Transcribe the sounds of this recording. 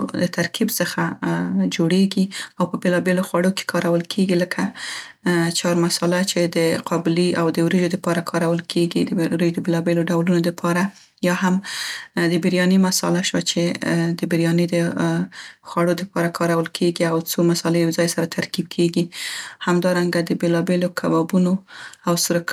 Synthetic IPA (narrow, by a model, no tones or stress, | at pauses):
d̪ət̪ʰaɾkʰibsəxad͡ʒoɽeɡiawpəbelɑbeloxwaɽoke̥kʰɑɾawəlkʰeɡiləkʰa | t͡ʃɑɾmasɑlat͡ʃed̪əqʰɑbɪliawd̪əwɾeʒod̪əpɑɾakʰɑɾawəlkʰeɡid̪əɾeʒd̪əbelɑbeloɖawlunod̪əpʰɑɾa | jɑɦam | d̪əbɪɾjɑnimasɑ̰laʃwat͡ʃed̪əbɪɾjɑnid̪ə | xwaɽod̪əpɑɾakʰɑɾawəlkʰeɡiawt͡somasɑlewzɑjsaɾat̪ʰaɾkib̚kʰeɡihamd̪ɑɾaŋɡad̪əbelɑbelokʰabɑbunoawsɾək